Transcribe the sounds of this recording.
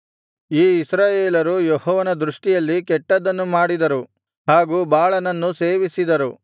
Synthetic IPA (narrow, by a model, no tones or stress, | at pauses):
iːisɾaːjeːlɐɾujɔhɔːʋɐnɐd̪ɾuʂʈijɐlːikɛʈːɐd̪ɐnːumaːɽid̪ɐɾu | haːɡuːbaːɭɐnɐnːuseːʋisid̪ɐɾu